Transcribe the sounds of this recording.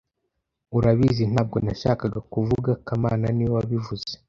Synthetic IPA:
uɾaβizin̥haːb̚ɡo̞naʃaːkaɡakuvuɡakamaːnaniwwaβivuze

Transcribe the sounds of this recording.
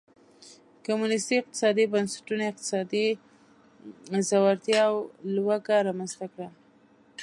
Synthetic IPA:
kʊmunɪst̪iɪq̚t̪ɪ̥sɑd̪ibansḁʈunaɪq̚t̪ɪ̥sɑd̪i | zawaɾt̪jɑwlwaɡaɾɑmanzt̪akɽa

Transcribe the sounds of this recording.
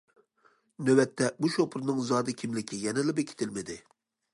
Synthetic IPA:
nøwɛt̪ʰːɛbuʃopʰʊɾnɨŋzɑːd̪ɨkʲʰimlɪkʲʰijɛnɪlɪbekʲʰi̥t̪ʰɪlmɪd̪ɪ

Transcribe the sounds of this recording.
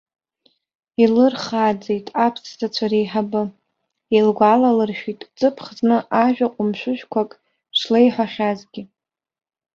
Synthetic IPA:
ilɨrχad͡zejtʼapʰszat͡ɕʷʰaɾejħabɨ | elɡʷalalɨrʃᶣitʼt͡sʼɨpʰχznɨʔaʒᶣaqʷʼʊmʃᶣʷʊʃᶣkʷʰakʼ | ʃlejħʷaχʲazɡʲɪ

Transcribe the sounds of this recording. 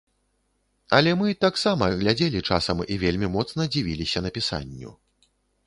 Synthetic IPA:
ɐlʲɛmɨt̪aksamɐɣlʲad͡zʲelʲit͡ʂa̰sɐmivʲelʲmʲimɔt̪snɐd͡zʲivʲilʲisʲɐnɐpʲisa̰nʲːṵ

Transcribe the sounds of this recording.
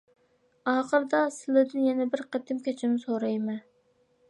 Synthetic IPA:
ɑːχəɾd̪ɑsɪlɪd̪ɪnjɛnɛbɪɾqʰet̪ʰɪmkʲʰɛt͡ʃʰɪnɪsoɾɑjmɛ

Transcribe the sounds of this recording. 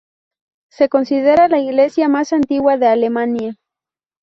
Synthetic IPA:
sekonsiðeɾalaiɣlesjamasant̪iɣwaðealemanja

